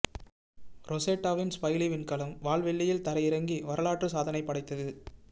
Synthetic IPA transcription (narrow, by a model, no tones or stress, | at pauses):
ɾɔseːʈːaːʋɪnspɐjliʋɪnkɐlɐmʋaːɭʋɛɭːɪjɪlt̪ɐɾɐjɪɾɐŋɡiʋɐɾɐlaːʈrɯsaːðɐnɐɪpːɐɽɐɪt̪ːɐðɯ